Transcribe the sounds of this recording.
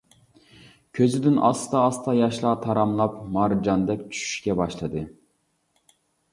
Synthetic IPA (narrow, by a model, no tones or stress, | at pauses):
kʲʰøzɪd̪ɪnʔɑ̰sɨ̥t̪ɑːst̪ʰɑjɑʃlˠɑt̪ʰɑɾɑmlˠɑpmɑɾd͡ʒɑnd̪ɛkʲt͡ʃʰy̥ʃy̥ʃkʲɛbɑʃlˠɨd̪ɨ